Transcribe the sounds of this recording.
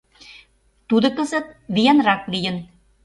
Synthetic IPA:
t̪ud̪ɤ̆kɤ̆zə̆t̪̚βijenrɑklijə̆n

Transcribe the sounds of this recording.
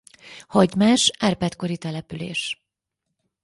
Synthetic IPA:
hɒɟmaːʃaːrpɛt̪ko̞ɾit̪ɛlɛpylḛːʃ

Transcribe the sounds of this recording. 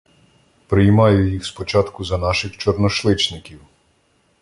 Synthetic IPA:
pɾɪjmɑjʊjixspɔt͡ʃɑt̪kʊzɐnɑʃɪxt͡ʃɔɾnɔʃlˠɪt͡ʃnɪkʲiw

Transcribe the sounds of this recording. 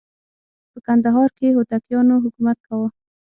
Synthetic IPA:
pəkand̪aɦɑɾkeɦot̪akjɑnoɦʊkumat̪̚kawə

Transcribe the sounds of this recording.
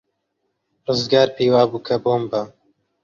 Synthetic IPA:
rɨzɡɑːɾpeːwɑːbuːkʰɐboːmbɐ

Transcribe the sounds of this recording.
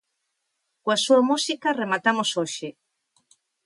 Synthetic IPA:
kwasuamusikaremat̪amosoʃe

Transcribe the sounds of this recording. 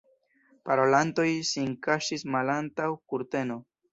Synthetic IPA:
paɾo̞lanto̞jsiŋkaʃismalantawkuɾte̞no̞

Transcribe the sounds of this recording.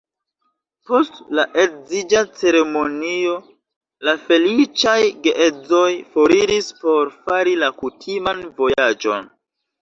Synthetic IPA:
po̞stlaʔezid͡ʒat͡se̞ɾe̞mo̞nio̞ | lafe̞lit͡ʃajɡeʔed͡zo̞jfo̞ɾiɾispo̞ɾfaɾilakutʰimanvo̞jad͡ʒo̞̰n

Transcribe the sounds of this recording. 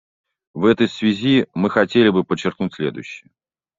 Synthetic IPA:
vɛt̪əjsvʲɪzʲimɨxɐtʲelʲɪbɨpət͡ɕːɪrknutʲsʲlʲe̞d̪ʊ̰jɕːɪjə

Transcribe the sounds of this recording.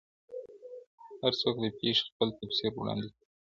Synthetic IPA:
haɾt͡sokd̪əpeʂxpəlt̪apseɾwɽɑ̰nd̪i

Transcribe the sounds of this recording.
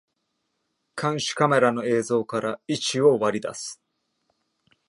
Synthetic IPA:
kʰãɰ̃ɕi̥kame̞ɾano̞e̞ːzo̞ːkaɾait͡ɕioβaɾʲid̪a̰sɨ̥

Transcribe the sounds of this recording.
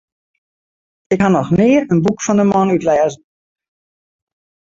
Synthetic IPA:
ɪkhanɔxnɪərənbukfɔndəmɔnytlɛːzən̩

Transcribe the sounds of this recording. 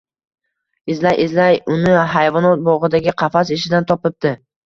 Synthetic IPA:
ɪzlajʔɪzlajʊnɪɦajvɒnɒt̪̚bɒʁɨd̪aɡʲɪqʰɑfasɪʃɪd̪ant̪ʰɒpɪp̚d̪ɪ

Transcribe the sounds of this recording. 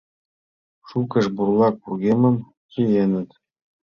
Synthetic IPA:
ʃukə̆ʃburlˠɑk̚purɣʲemə̆m | kʲijenə̆t̪

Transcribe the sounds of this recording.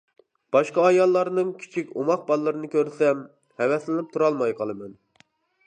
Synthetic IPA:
b̥ɑʃqɑːjɑlˠːɑɾɨnɨŋkʲʰi̥t͡ʃʰikʲomɑq̚bɑlˠːɨɾɨnɨkʲʰøɾsɛm | hɛvɛslɪnɪp̚t̪ʰuɾɑlˠmɑjqʰɑlˠɨmɛn

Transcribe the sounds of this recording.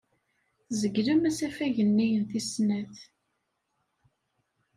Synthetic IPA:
θzəɡləmæsæfæʝənːijənθisnæθ

